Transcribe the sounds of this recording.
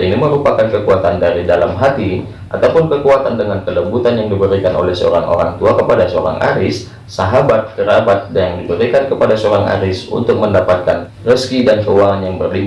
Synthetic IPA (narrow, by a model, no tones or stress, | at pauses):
ʔiniməɾupakankəkuat̪andaɾidalamɦat̪i | ʔat̪awpʊnkəkuat̪andəŋankələmbut̪anjaŋdibəɾikanʔo̰lɛhsəo̰ɾaŋʔo̰ɾa̰ŋt̪uakəpadasəoɾa̰ŋʔa̰ɾɪsː | aɦabat̪̚kəɾabat̪̚jaŋdibəɾikankəpadasəoɾaŋa̰ɾɪsṵnt̪ʊk̚məndapat̪̚kan | rəskidankəwaŋanjaŋbərli